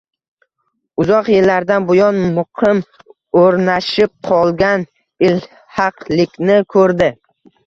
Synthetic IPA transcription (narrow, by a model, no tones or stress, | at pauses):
ʊzɒqjɪlːaɾd̪anbʊjɒnmʊqʰɪm | oɾnaʃɪp̚qʰɒlˠɡʲan | ɪl | hɑqlɪkʲnɪkʰɵɾd̪ɪ